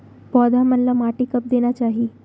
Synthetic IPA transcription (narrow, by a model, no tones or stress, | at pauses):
pɔd̪amənlamaʈikəp̚d̪enjat͡ɕaɦi